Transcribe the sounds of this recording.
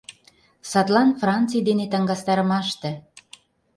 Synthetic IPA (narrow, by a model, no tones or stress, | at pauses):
sɑt̪lɑnfrɑnt͡sɨjd̪enet̪ə̆ŋɡɑst̪ɑɾə̆mɑʃt̪ĕ